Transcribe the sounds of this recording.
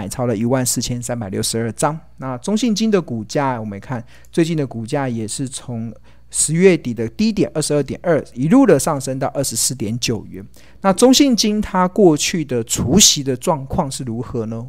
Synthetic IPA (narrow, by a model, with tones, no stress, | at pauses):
a˨˩ɪt͡sʰɑ˧˥ʊlə˨i˧˥wa˥˧nsɹ̩˥˩t͡ɕʰjɛ˥nsa˥˦npa˨˩ɪljo˥˩ʂɻ̩˧˦ə˥˩ʈ͡ʂɑ˦˥ŋna˥˨t͡sʊ˥ŋɕi˥˩ŋt͡ɕi˥nd̪ə˨ku˨˩t͡ɕja˥˩˨wɔ˨˩mə̃˨˦kʰa˥˩n | t͡swe˥˧ɪt͡ɕi˥˩nd̪ə˩ku˨˩t͡ɕja˥˩jɛ˨˩ʂɻ̩˥˩t͡sʰo˧˥ŋ | ʂɻ̩˧˥ɥɛ˥˩t̪i˨˩d̪ə˦t̪i˥t̪jɛ˨˩nʔə˥˩ʂɻ̩˧˦ə˥˩t̪jɛ˨˩nə˥˩i˧˥lu˥˨˩də˨ʂɑ˥˩ŋʂə˥ŋt̪ɑ˥˧ʊʔə˥˩ʂɻ̩˧˥sɹ̩˥˩t̪jɛ˨˧˥nt͡ɕjo˨˩ʊɥɛ˨˥˦n | na˥˨t͡sʊ˥ŋɕi˥˩ŋt͡ɕi˥nt̪ʰa˥kwɔ˥˧t͡ɕʰy˥˩d̪ə˨ʈ͡ʂʰu˧˥ɕi˧˥d̪ə˧ʈ͡ʂwɑ˥˧ŋkʰwɑ˥˧ŋʂɻ̩˥˩ɻu˧˥xɤ˧˦nə˦